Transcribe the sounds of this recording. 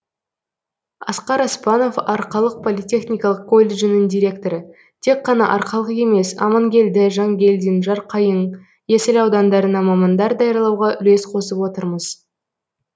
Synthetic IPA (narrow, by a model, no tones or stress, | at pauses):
ɑsqɑɾɑspɑno̞fɑɾqɑlˠəq̚pʰo̞lʲijtʲe̞χnʲijkɑlˠəqkʰo̞lʲːe̞ʒɪnɪŋd̪ʲiɾʲe̞kt̪o̞ɾə | t̪ʰe̞kqːɑnɑ̰ʔɑɾqɑlˠəʁe̞me̞sɑ̰mɑŋɡʲe̞ld̪ɪʒɑŋɡʲe̞ld̪inʒɑɾqʰɑjəɴ | jesɪlɑwd̪ɑnd̪ɑɾənɑmɑmɑnd̪ɑɾd̪ɑjəɾlˠɑwʁɑʔʏle̞sqʰo̞səpwo̞t̪əɾməz̥